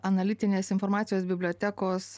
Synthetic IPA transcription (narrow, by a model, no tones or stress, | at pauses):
ɐnɐlʲɪt̪ʲɪnʲeːsɪnfoɾmɑːt̪ʲɪjoːsbʲɪbʲlʲoːt̪ʲækoːs